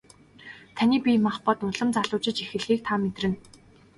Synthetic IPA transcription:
t̪ʰaniːpʲimaχpɔt̪nʊɮə̆mt͡saɮʊːt͡ɕɪ̆t͡ɕixɘ̆ɮɣiːk̚t̪ʰaːmet̪rɘ̆n

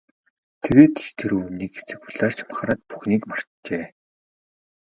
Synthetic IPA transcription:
t̪ʰeɣeːt̪i̥ʃt̪ʰeɾuːuniːkɡesɘ̆k̚pʊɮaːr̥t͡ɕʰam̆χɾaːt̪̚pu̥xniːkmar̥t̪t͡ɕeː

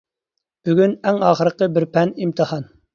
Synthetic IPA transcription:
b̥yɡʲynɛŋɑːχəɾəqəbɪɾpʰɛnimt̪ʰəhɑn

